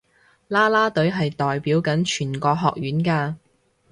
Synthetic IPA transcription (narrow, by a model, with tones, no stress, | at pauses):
laː˥laː˥t̪ɵ˨˥ɥɦɐ˨jt̪ɔː˨jpiː˨˥wkɐ˨˥nt͡ʃʰyː˨˩nkɔː˧ɦɔː˨k̚jyː˨˥nkaː˧